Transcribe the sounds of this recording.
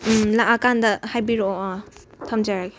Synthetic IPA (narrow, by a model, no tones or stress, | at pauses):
laʔakandɐhajbiɾoɔa | tʰɐmd͡ʒaɾaɡe̥